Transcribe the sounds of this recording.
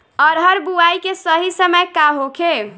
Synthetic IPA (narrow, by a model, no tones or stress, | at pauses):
ɔɾɦəɾbuajkesəɦisəməjkaɦokʰe